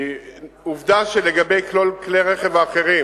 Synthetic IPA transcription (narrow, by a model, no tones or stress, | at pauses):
uvd̪aʃeleɡabejklolkleʁeχevaːχeʁi